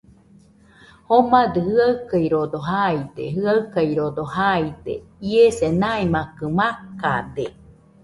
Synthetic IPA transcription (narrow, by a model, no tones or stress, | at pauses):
homad̪ɯhɯaɯkajɾod̪oɦajd̪eɦɯaɯkajɾod̪ohajd̪ḛiesenaimakɯmaka̰d̪e